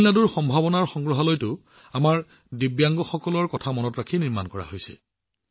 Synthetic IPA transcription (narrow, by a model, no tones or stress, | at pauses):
lnaduɹxɔmbʱabɔnaɹxɔŋɡɹɔɦalɔjtʊ | amaɹ | dibjaŋɡɔxɔkɔlɔɹkɔtʰamɔnɔtɹakʰiniɹma̰nkɔɹa̰ɦojsɛ̰